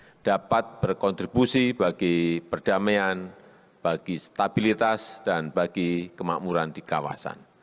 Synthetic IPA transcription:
d̥apat̪̚b̥ərkɔnt̪ɾibusibaɡ̥ipərd̥amean | b̥aɡ̥ist̪abilit̪asd̥anbaɡikəma̰ʔmuɾandikawa̰sa̰n

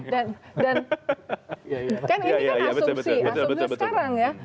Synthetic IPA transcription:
dandan | kaniajasusausisə̥kaɾaŋja

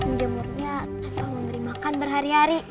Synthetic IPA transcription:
məd͡ʒəmurɲa | akaməməɾimakanbərɦaɾiɦaɾi

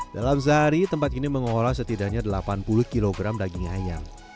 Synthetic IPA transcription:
d̥alams̬əɦaɾit̪əmpat̪̚iniməŋolas̬ət̪idaʔɲadəlapanpulʊhkiloɡɾamdaɡiŋajaŋ

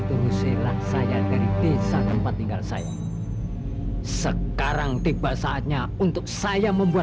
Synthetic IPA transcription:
t̪uɾuselahsajad̥aɾid̪̥esat̪əmpat̪ːiŋɡalsa̰ja̰ | səkaɾaŋd̪̥e̤b̥alsaːt̪̚ɲa | unt̪ʊk̚sajaməmbua

